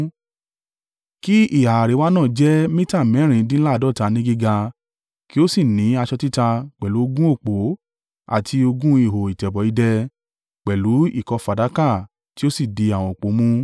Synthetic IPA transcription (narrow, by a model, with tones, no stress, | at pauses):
ki˦i˦˨ha˨a˨ɾe˨˦wa˦nãː˦˨d͡ʒɛ˦mĩ˦ta˦˨mɛ̃˨˦ɾ̃ĩ˧˦dĩ˦la˦˨dɔ˦˨ta˨˧nĩ˦ɡi˦ɡa˧ | ki˦o˦si˦˨nĩ˨˦a˧ʃɔ˧ti˦ta˧k͡pɛ˨lu˨˦o˧ɡũ˦o˦˨k͡po˨˦ | a̰˦˨tʰi˧o˧ɡũ˦i˦˨ɦo˨i˨tɛ˨bɔ˨˦i˧dɛ˧ | k͡pɛ˨lu˨˦ḭ˦˨kɔ˧fa˨da˨˦ka˦˨ | ti˦o˦si˦˨di˧a˨w̃ɔ̃˨o˨k͡po˨˦mũ˦